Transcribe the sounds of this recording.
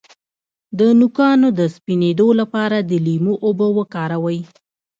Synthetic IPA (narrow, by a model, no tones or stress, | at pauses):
d̪ənukɑnod̪əspined̪olapɑɾad̪əlimoʔobəwəkɑɾawəj